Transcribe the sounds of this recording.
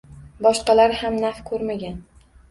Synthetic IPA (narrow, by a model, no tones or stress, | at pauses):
bɒʃqɑlaɾhamnafkʰɵɾmaɡʲan